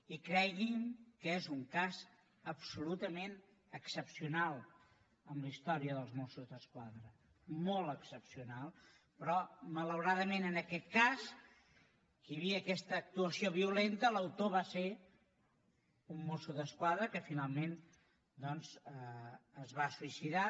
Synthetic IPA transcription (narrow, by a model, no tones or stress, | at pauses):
ikɾɛɣimkezuŋkaz | əpsulut̪əmen | əksəpsiunalˠ | əmləist̪ɔɾiəðəlˠzmosuzðəskwaðɾə | molˠəksəpsiunalˠ | pɾɔmələwɾaðəmenənəkɛt̪̚kas | kəjəβiəkɛst̪əːk̚t̪uəsioβ̞iulent̪ələwt̪oβase | umːosuðəskwaðɾəkəfinalˠmen | d̪ɔnzəːzβasuisiða